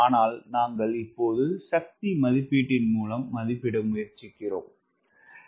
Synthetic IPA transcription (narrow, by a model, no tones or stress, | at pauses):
aːnaːlnaːŋɡɐɭɪpːoːðɯsɐk̚t̪imɐðɪpːiːʈːɪnmuːlɐmːɐðɪpːɪɽɐmʊjɐɾt͡ʃɪkːɪro̰ːm